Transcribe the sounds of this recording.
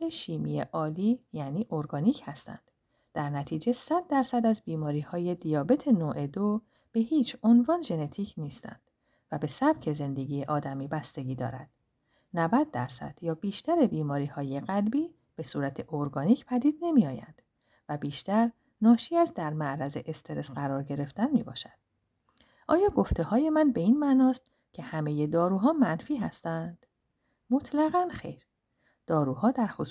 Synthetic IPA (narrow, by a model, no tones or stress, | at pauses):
eʃiːmijḛʔɒːliːjæniːʔo̞ɾɡɒːniːcʰhæst̪æ̰nd̪̥ | d̪̥æɾnæt̪ʰiːd͡ʒe̞sæd̪̚ːæɾsæd̪æzbiːmɒːɾiːhɒːje̞d̪ijɒːbe̞t̪ʰe̞noːʔed̪o | b̥e̞hiːt͡ʃʰonvɒːnʒe̞ne̞t̪ʰiːcʰniːst̪ʰæ̰nd̪̥ | væbe̞sæb̥cʰe̞ze̞nd̪e̞ɡiːeʔɒːd̪æmiːbæst̪e̞ɡiːd̪ɒ̰ːɾæ̰d̪̥ | nævæd̪̚ːæɾsæ̰d̪̥jɒːbiːʃt̪æɾebiːmɒːɾiːhɒːje̞ɣælbiː | b̥e̞suːɾæt̪ʰe̞ʔoɾɡɒːniːcʰpʰæd̪iːd̪̥ne̞mijɒːjæ̰nd̪̥ | væbiːʃt̪æɾ | nɒːʃiːæzd̪æɾmæʔɾæze̞ʔest̪ʰe̞ɾe̞sɢæɾɒːɾɟe̞ɾe̞ft̪ænmiːbɒ̰ːʃæ̥d̪̥ | ʔɒːjɒːɡo̞ft̪ʰe̞hɒːje̞mænbe̞iːnmæʔnɒːst̪ | cʲʰe̞hæme̞je̞d̪ɒːɾuːɦɒːmænfiːɦæst̪ænd̪̥ | mo̞t̪ʰlæɣænxe̞̰jɾ | d̪̥ɒːɾuːhɒːd̪æɾxos